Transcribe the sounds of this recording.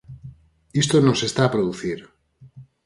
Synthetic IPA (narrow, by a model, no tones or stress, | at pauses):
ist̪onosest̪aːpɾoðuθiɾ